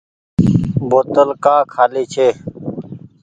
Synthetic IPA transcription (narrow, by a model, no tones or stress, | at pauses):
boːt̪əlkaːkʰaːliːt͡ɕʰeː